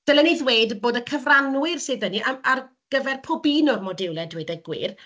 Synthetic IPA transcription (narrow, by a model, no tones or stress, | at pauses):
d̥ɛlˠɛniðweːdboːdəkʰəvranwɪrsɨːðəniʔaar | ɡ̥əvɛrpʰɔbinʊmɔdɪwlˠɛdweːdəɡwɪ̰ːr